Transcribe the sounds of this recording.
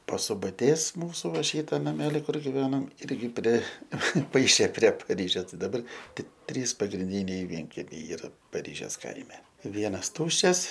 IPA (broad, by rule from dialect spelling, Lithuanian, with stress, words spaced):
pɐsʊbɐˈtʲeːs ˈmuːsʊ ˈʋɐ ˈʃʲiːtɐ nɐˈmʲæːlʲɪ ˈkʊr ɡʲɪˈʋʲæːnɐm ˈɪrʲɡʲɪ pʲrʲɛˈpɐɪʃʲeː pʲrʲiɛ pɐˈrʲiːʒʲeːs ˈtɐɪ dɐˈbɐr ˈtʲɪk ˈtʲrʲiːs pɐɡrʲɪnʲˈdʲiːnʲɛɪ ˈʋʲiɛŋʲkʲɛmʲɛɪ ˈiːrɐ pɐˈrʲiːʒʲeːs ˈkɐɪmʲɛ ˈʋʲiɛnɐs ˈtʊʃʲt͡ʃʲɛs